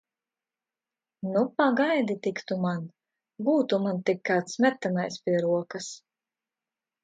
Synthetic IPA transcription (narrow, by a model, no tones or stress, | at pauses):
nupaɡajd̪it̪ikt̪uman | buːt̪umant̪ikːaːt̪smʲɛt̪ːanajspʲiɛɾuɔkas